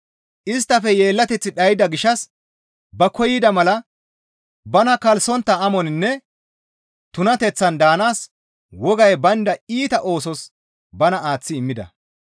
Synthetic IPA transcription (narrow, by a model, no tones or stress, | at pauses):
ʔɪs̬t̪ːɐfɛje̞ːlːɐt̪ɛt͡sːɪɗɐjɪd̪ɐɡɪʃːɐs | bɐkɔjɪd̪ɐmɐlɐ | bɐnɐkɐlsɔnt̪ːɐɐmɔnɪnːɛ | t̪ʊnɐt̪ɛt͡sːɐnd̪aːnaːs | wɔɡɐjbɐnd̪ɐiːt̪ɐʔo̞ːsɔs | bɐnɐaːt͡sːɪɪmːɪd̪ɐ̰